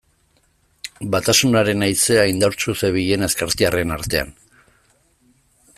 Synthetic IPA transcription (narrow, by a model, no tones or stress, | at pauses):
bat̪asunaɾe̞najt͡se̞ajnd̪awɾt͡suseβ̞iʎe̞ne̞skaɾt̪iare̞naɾt̪e̞a̰n